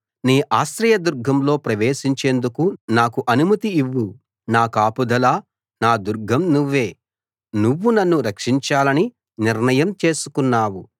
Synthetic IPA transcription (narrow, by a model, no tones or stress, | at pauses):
niːʔaːʃt̪ɾɐjɐd̪uɾɡʱɐmlo̞ːpɾɐʋe̞ːʃiɲt͡ʃe̞ːnd̪ukunaːkuʔɐnumɐt̪iːʋːu | naːkaːpud̪ʱɐlaː | naːd̪uɾɡʱɐmnuʋːe̞ː | nuʋːunɐnːuɾɐkʂiɲt͡ʃaːlɐni | niɾnɐjɐmt͡ʃe̞ːsu̥kunːaːwu